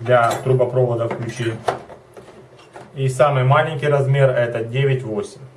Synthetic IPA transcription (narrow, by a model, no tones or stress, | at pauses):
d̪lʲɐt̪ɾʊbɐpɾovɐd̪ɐfklʲʉt͡ɕi | isamɨjmalʲɪnʲkʲijɾɐzmʲe̞rɛt̪ɐdʲeʋʲɪtʲvosʲɪmʲ